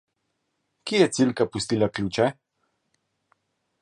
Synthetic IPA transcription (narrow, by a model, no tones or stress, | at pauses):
kijɛt̪silkapust̪iːlaklʲuːt͡ʃɛ